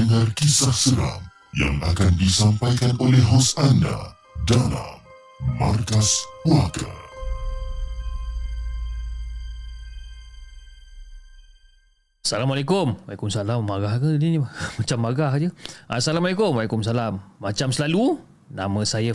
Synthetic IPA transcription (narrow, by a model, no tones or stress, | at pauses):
əŋarkisahsəɾa̰m | ja̰ŋa̰kandisampajkanʔolɛɦɦɔsanda̰ | dala̰mː | a̰rkaspuaka̰ | salamalakʊmalakumsalamːaɡahkəniimat͡ʃamːaɡahd͡ʒəʔasalamalekʊmwalakums̬alamːat͡ʃamsəlalu | namə̃saja